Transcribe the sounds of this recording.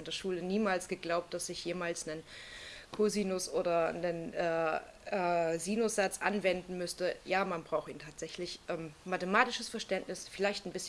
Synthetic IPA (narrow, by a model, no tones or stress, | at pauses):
ndeːɐʃuːləniːmaːlsɡ̥əɡlaʊp̚td̥asɪçjeːmaːlsnənkʰoziːnʊsʔoːdɐnənʔɛː | ʔɛːziːnʊsz̥at͡sʔa̰nvɛndn̩mʏstəjaːmanbʁaʊxiːntʰaːtz̥ɛçlɪçʔɛːmmatəmaːtɪʃəsfɛɐʃtɛntnɪsfɪlaɪçtnbɪsç